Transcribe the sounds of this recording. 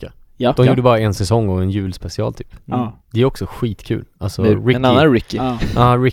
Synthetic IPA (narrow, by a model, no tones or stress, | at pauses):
a | d̪ɔmjuːɖəbɑːɾaɛnsɛsɔŋːɔɛnjʉ̟ːlspɛsɪɑ̰ːlt̪ʰyːpd̪̥ɛæɾɔksɔɧiːt̪kʰʉ̟̰ːlʔalsɔɾɪnanːaɾɪkːɪɑːɾɪ